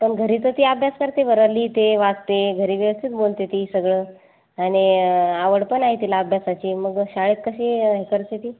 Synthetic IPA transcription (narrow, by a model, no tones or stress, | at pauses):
pəɳɡʱəɾit̪ət̪iːabʱjaskəɾt̪eʋəɾəɾliːt̪eʋaɡ̚t̪eɡʱəɾiːʋjəʋəst̪ʰit̪bolt̪et̪isəɡɭəː | añiaʋəɽpəɳaɦit̪ilaːbʱjasat͡ɕiːməɡɕaɭit̪̚kəɕeɦekəɾt̪et̪iː